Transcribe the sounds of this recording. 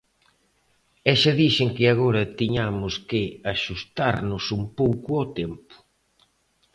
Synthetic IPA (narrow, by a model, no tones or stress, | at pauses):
ɛʃɐðiʃeŋkɪaɣ̞oɾɐt̪iɲamʊskɪaʃust̪aɾnʊsumpowkʊat̪ɛmpʊ̥